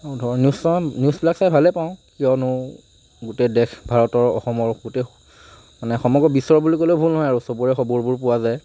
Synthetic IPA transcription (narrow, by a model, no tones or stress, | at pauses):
ɔdʱɔnjusɔnjusplaksaj̚bʱalɛpaʊ̃kijɔnʊ | ɡutɛdɛkbʱaɹɔtɔɹɔ̰xɔmɔɹɡutɛ | manɛxɔmɔɡɹɔbisɔɹɔbulikolojbʱulnɦɔjaɹusobuɹɛxɔbuɹbʊɹpʊwazaj